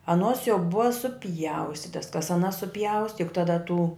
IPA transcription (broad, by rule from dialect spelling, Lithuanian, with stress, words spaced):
ɐˈnuɔs jɛʊ ˈbʊɐ sʊˈpʲjɛʊsʲtʲɪtɐs kɐs ɐˈnɐs sʊˈpʲjɛʊsʲtʲɪ jʊk tɐˈdɐ tuː